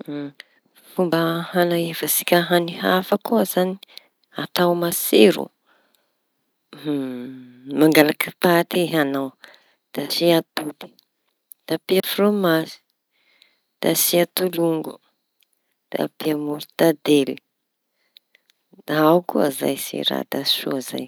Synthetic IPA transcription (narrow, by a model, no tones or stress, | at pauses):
fumbəhanaivəsi̥kʲəɦanihafakuəz̥ani | at̪awmaseɾṵ | maŋɡalakipat̪iɦanaw | d̪̥asiat̪ud̪i̥ | d̪̥apiafromasi̥ | d̪̥asiat̪uluŋɡu̥ | d̪̥a̰piamuɾud̪ad̪eli | d̪̥aawkua̰za̰jsḭɾa̰d̪asṵza̰j